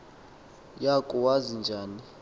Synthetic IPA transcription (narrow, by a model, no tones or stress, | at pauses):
jakʼuwazind͡ʒʱaːni